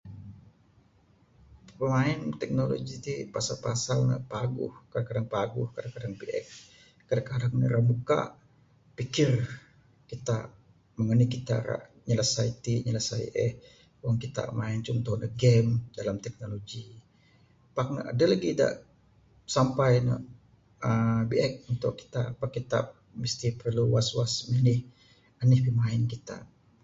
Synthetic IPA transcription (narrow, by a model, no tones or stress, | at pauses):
pəmaɪnt̪ɛk̚nolo̰ɡit̪ipasalpasalnə̰ʔpaɡʊ̰hkadakadaŋpaɡʊhkadakadaŋpiʔɛ̰k | kadakadak̚nḭɾamuka̰ʔ | pikɪr | kit̪a | məŋənikit̪a̰ɾa̰ʔ | ɲələsait̪iɲələsaḭʔɛ̰h | waŋkit̪a̰ʔmaɪnt͡ʃʊŋt̪uhndəɡɛmdalamt̪ɛk̚noloɡi | pak̚na̰ʔa̰dəlaɡida̰ʔ | sampajnə̰ʔ | əbiʔɛk̚unt̪ʊ̰ʔkːi̥t̪apərkit̪a̰p̚ | mist̪ipərluwaswasmənɪh | anɪhbimaɪnkit̪a̰ʔ